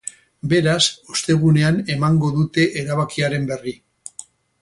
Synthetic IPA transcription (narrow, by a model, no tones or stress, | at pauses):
be̞ɾasost̪e̞ɣ̞une̞ane̞maŋɡo̞ðut̪e̞ʔeɾaβ̞akiaɾe̞mbe̞ri